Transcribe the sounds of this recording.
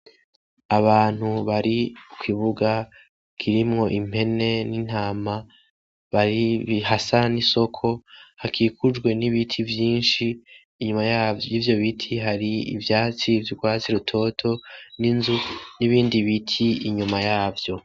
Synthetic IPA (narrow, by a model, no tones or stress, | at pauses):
aβaːn̥huβaɾikʰwiβuɡa | kʰiɾimŋo̞ʔim̥he̞ne̞nin̥aːma | βaɾiβhasaniso̞kʰo̞hakʰikʰud͡ʒɡwe̞niβitʰivjiːnʃiː | ɲumajaːvivjo̞βitʰiɦaɾiḭvjaːt͡sivjuɡwaːt͡siɾutʰo̞tʰo̞ninzuniβiːndiβitʰiiɲumajaːvjo̞